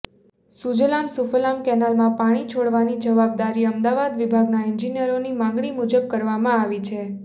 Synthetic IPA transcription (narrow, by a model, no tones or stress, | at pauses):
sud͡ʒlamsuflamkɛnalmãpaɽ̃it͡ʃʰoɽʋañid͡ʒəʋab̚d̪aɾiəmd̪aʋad̪ʋibʱaɡnaɪnd͡ʒinijəɾonimãŋɡɽimud͡ʒəb̚kəɾʋamãaʋit͡ʃʰe